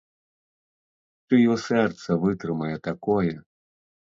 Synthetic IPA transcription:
t͡ʃɔjɔsɛrt̪sɐvɨt̪ɾɨmɐjɛt̪akɔjɛ

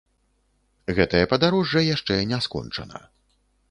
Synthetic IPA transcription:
ɣɛt̪ɐjɐpɐd̪aɾɔʐːɐjaʂt͡ʂɛnʲɛskɔ̰nt͡ʂɐ̰nɐ̰

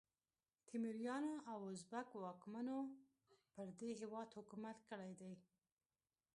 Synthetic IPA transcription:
t̪ʰɪmɪɾjɑnoʔawʊzbakwɑkmano | pəɾd̪eɦewɑd̪hʊkumat̪kəɽajd̪aj

